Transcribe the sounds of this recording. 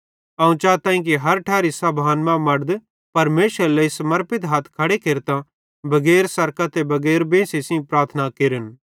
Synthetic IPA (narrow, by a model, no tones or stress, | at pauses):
aũt͡ʃaːt̪ãːĩk̬iɦɐɾʈʰaːɾisɐbʱaːnmãmɐɽd̪ | pɐɾmeːʃəɾleisɐmɐɾpɪt̪ɦaːt̪ʰkʰɐɽekeːɾt̪ã | bɐɡeːɾsɐɾkat̪ebɐɡɛːɾbẽːsesĩpɾaːɾt̪ʰnakeːɾən